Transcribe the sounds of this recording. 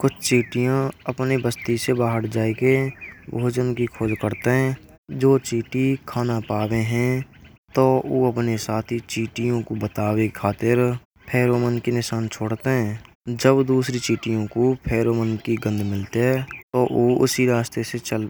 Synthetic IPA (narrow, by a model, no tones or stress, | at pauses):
kʊt͡ʃʰt͡ʃiːʈijãəpnibəst̪isebaːɦəɾd͡ʒaːekebʱoːd͡ʒənkikʰoːd͡ʒkəɾt̪eɦɛ̃ː | d͡ʒoːt͡ʃiːʈikʰaːnapaːweɦɛ̃ | t̪oːoːəpnesaːt̪ʰit͡ʃiːʈijõkobət̪aːwekʰaːt̪ɪɾ | pʰɛːɾoːmənkinɪʃaːnt͡ʃʰoːɽt̪eɦɛ̃ː | d͡ʒəbd̪uːsɾit͡ʃiːʈijõkopʰɛːɾoːmənkiɡə̃nd̪ʱmɪlt̪eɦɛt̪oʔoːʊ̰siɾaːst̪eset͡ʃəl